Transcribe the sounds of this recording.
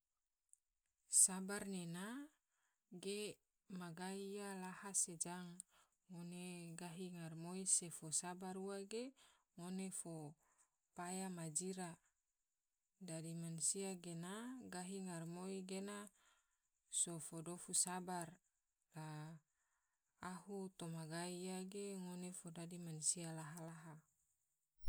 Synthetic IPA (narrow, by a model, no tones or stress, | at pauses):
sabarnena | ɡe | maɡaialahased͡ʒaŋː | oneɡaɦiŋarmoisefosabaɾuaɡe | ŋonefo | pajamad͡ʒiɾa | dadimansiaɡenaɡaɦiŋarmoiɡena | sofodofusabar | la | hut̪omaɡaijaɡeŋonefodadimansialaɦalaɦa